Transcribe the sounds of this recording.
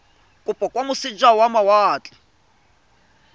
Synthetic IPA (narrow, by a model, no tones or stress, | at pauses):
kʼupʼɔkʼwamusid͡ʒawamawaːt͡ɬʼḁ